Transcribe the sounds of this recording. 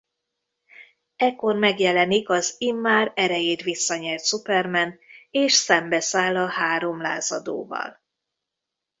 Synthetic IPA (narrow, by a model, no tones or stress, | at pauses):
ɛkːo̞rmɛɡjɛlɛnikɒzimːaːɾɛɾɛjeːt̪ʋisːɒɲɛrt̪supɛrmɛneːʃsɛmbɛsaːlːɒhaːɾo̞mlaːzɒd̪o̰ːvɒ̰l